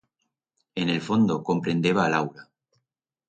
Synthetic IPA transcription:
e̞ne̞lfo̞nd̪oko̞mpɾe̞nd̪e̞βaːlawɾa

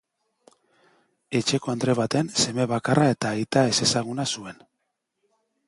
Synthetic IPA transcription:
e̞t͡ʃe̞ko̞and̪ɾe̞βat̪e̞nse̞me̞β̞akarae̞t̪aːjt̪ae̞se̞saɣunasue̞n

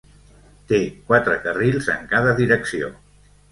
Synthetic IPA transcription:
t̪ekwat̪ɾəkərilˠzə̰ŋkaðəðiɾəksio̰

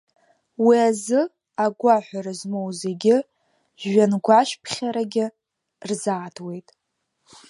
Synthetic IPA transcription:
wiazɨ | aɡʷaħʷᶣaɾazmowze̞ɡʲɪ | ʒɥanɡʷaʃpʰχʲaɾaɡʲɪ | rzaːtʰwe̞jtʼ

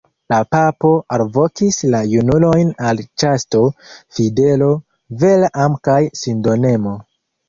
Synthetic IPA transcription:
lapapo̞ʔalvo̞kislajunulo̞jnalt͡ʃasto̞fide̞lo̞ | ve̞lamkajsindo̞ne̞mo̞

